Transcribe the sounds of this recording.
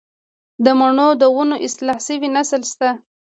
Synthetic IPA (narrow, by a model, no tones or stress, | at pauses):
d̪əmaɳod̪əwunoʔɪslɑhsəwinaslst̪a